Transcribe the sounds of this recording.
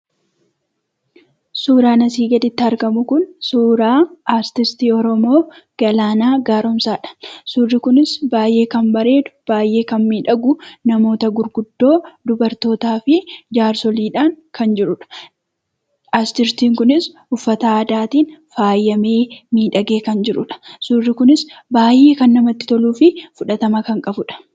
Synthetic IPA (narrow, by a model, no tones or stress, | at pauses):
suːɾaːnɐsiːɡɐd̪ɪt̪ːɪhɐɾɡɐmʊkʊnsuːɾaːaːst̪ɪst̪iːɔɾɔmo̞ː | ɡ̥ɐlaːnaːɡaːɾɔmsaːᶑɐ̥suːrːɪkʊnɪsbaːjʔe̞ːkɐmbɐɾe̞ːd̪ʊ̥b̥aːjʔe̞ːkɐnmiːᶑɐɡʊnɐmo̞ːt̪ɐɡʊɾɡʊd̪ːo̞ːd̪ʊbɐɾt̪o̞ːt̪aːfɪd͡ʒaːɾsɔliːᶑaːŋkʰɐnd͡ʒɪɾʊᶑɐ̥ | ast̪ɪɾt̪iːŋkʊnɪs | ʊfːɐt̪aːd̪aːt̪iːnfaːjːɐme̞ːmiːᶑɐɡe̞ːkɐnd͡ʒɪɾʊᶑɐ̥suːrːɪkʊnɪsbaːjʔe̞ːkɐnːɐmɐt̪ːɪ̥t̪ɔluːfɪfʊᶑɐt̪ɐmɐkɐŋkʼɐbʊᶑɐ̥